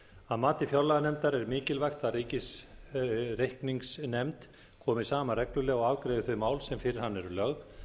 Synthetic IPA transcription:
aðmaːt̪ɪfjawlaɣanɛmt̪aɾɛɾmɪːcɪlvajxt̪aðriːcɪs | rejhkniŋksnɛmt̪ | kʰɔːmɪsaːmarɛklʏlɛɣɔɣaːðkɾeːðʏθvʏmaːwlsɛmfɪɾɪɾ̥hanːɛɾʏlœɣð

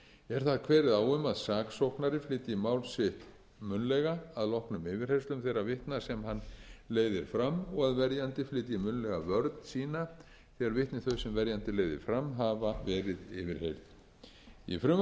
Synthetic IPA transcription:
ɛɾ̥θaðkʰvɛːɾɪðaːwʏmaðsaːksowhknaɾɪflɪːt̪ɪmawlsɪht̪ | mʏnlɛɣaaðlɔhknʏmɪvɪɾ̥hejst̪lʏmθejrːavɪht̪nasɛmhanːleːjðɪɾ̥fɾamɔɣaðvɛɾjant̪ɪflɪːt̪ɪimʏnlɛɣavœɾt̪n̥siːna | θɛːɣaɾvɪht̪nɪθœɥsɛmvɛɾjant̪ɪleːjðɪ̰ɾ̥fɾamːɦavavɛːɾɪðɪːvɪɾ̥hejɾð | ḭfɾʏm

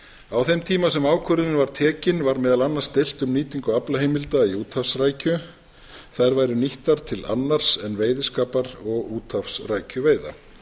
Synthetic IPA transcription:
awθɛmt̪ʰiːmasɛmaːwkʰœɾɪnɪvaɾ̥t̪ʰɛːcɪnvaɾmɛːðalanːast̪ejl̥t̪ʏmniːt̪iŋkʏaplaɦejmɪlt̪aiuːt̪ʰafsraːjcʏ | θajɾvaːjɾʏniht̪aɾ̥t̪ʰɪla̰nːaɾ̥sɛnveːjðɪskaːpaɾɔɣuːt̪ʰafsraːjcʏveːjða̰

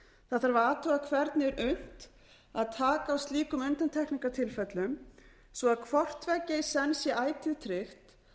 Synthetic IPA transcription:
θaðθaɾvaaːt̪ʰɔɣakʰvɛɾt̪nɪɛɾʏn̥t̪ | aðt̪ʰaːkaːwst̪liːkʏmʏnt̪ant̪ʰɛhkniŋkat̪ʰɪlfɛt̪lʏm | svɔaðkʰvɔr̥t̪vɛcːɪjsɛnsjɛaːjt̪ʰʏðt̪ʰɾɪxt̪

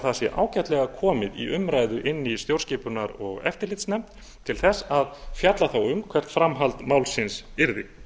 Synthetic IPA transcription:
θaðsjɛ̰ʔa̰ːwcaht̪lɛɣakʰɔːmɪðḭʔʏmɾaːjðʏʔɪnːist̪jowɾscɪːpʏnaɾɔɣɛ̰ft̪ɪɾlɪt̪snɛmt̪ | t̪ʰɪlθɛsːaðfjat̪laθawʏmkʰvɛr̥t̪fɾamɦalt̪mawlsɪnsɪɾðɪ̰

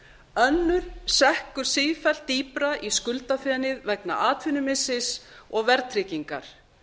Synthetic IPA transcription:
œnːʏɾ̥sɛhkʏɾ̥siːfɛl̥t̪iːpɾaʔiskʏlt̪afɛnɪðvɛkna̰ʔaːt̪fɪnʏmɪsɪsɔɣvɛɾt̪ʰɾɪciŋka̰ɾ̥

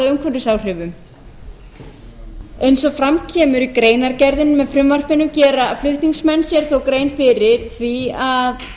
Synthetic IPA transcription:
ʏmkʰvœnt̪ʏsaːwr̥ɪvʏm | ejnsɔfɾamcʰɛːmʏɾikɾeːjnaɾcɛɾðɪnmɛðfɾʏmvar̥pɪnʏmcɛːɾaflʏht̪niŋksmɛnsjɛɾ̥θowkɾeːjnfɪɾɪɾ̥θviað

